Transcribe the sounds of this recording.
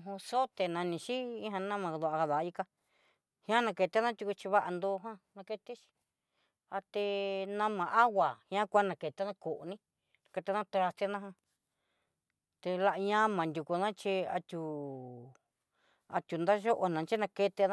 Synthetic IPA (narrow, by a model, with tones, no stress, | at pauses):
ɦũ˧so˦t̪e˨nã˧nĩ˧ʃi˦ĩ˦ɦã˧nã˦mã˧ðu˧ʔa˧a˧ða˨˧i˧ka˧ | hã˦nã˧ke˧t̪e˧˦nã˦t̪ʲu˧ku˧t͡ʃi˧βa˦ʔa˧nd̪o˧ɦwã˦nã˧ke˧t̪i˦t͡ʃi̥˧ | a˧t̪e˧nã˧mã˨˧ʔa˦ɣa˨hĩ˧ã˦kʷa˦nã˨ke˨t̪e˧nã˦ko˨ʔnĩ˦ | nã˨˧ke˧t̪e˧˦nã˦t̪ɾa˧t̪e˧˦nã˦ɦã˧ | t̪e˧la˧ʔɲã˦mã˨nd̪ʲu˨ku˧nã˦t͡ʃi˧a˧t̪ʲu˨ | a̰˧t̪ʲu˨nd̪a˦ʒo˦ʔo˧nã˨˧t͡ʃi˦nã˧ke˧t̪e˧nã˦